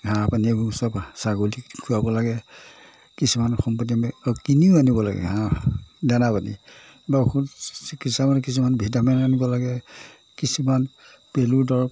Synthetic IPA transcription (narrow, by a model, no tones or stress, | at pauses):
ɦãpaniusɔbsaɡolikʰuabɔlaɡɛ | kisumanxɔmpɔtimɛkiniʊanibɔla̰ɡɛ̰ɦãdanapanḭ | bakʰusikitsamank̬is̬umanbʱidamɛnanibɔlaɡɛ | kisuman | peludɔɹɔ